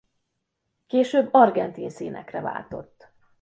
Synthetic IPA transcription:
keːʃøːbːɒrɡɛnt̪insiːnʔɛkrɛva̰ːlt̪o̞t̪ː

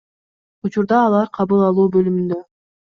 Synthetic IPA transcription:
ut͡ʃuɾd̪ɑːlˠɑɾqʰɑβɯlˠɑlˠuːbø̞lymynd̪ø

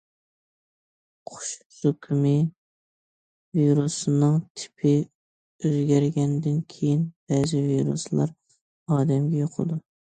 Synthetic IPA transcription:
qʰʊ̥ʃ | sokʲʰymɪ | viɾusɨnɨŋt̪ʰɪ̥pʰɪ | øzɡʲæɾɡʲɛnd̪ɪnkʲʰejinb̥ɛːzɪviɾṵslˠɑ̰ɾ | ɑːd̪ɛmɡʲɛjoqʰə̰d̪u

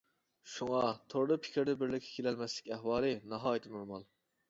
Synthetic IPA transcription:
ʃuŋɑt̪ʰoɾlˠɨpʰɪ̥kʲʰɪɾd̪ɛbɪɾlɪkʲʰːɛ̥kʲʰelɛlmɛslɪ̥kʲɛhwɑːlˠɨnɑɦɑːjit̪ʰɨnoɾmɑlˠ

